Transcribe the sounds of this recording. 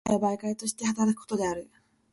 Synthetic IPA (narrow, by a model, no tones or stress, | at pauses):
jabaikait̪o̞ɕi̥t̪e̞hat̪aɾakɯ̥kot̪o̞d̪e̞aɾɯ̟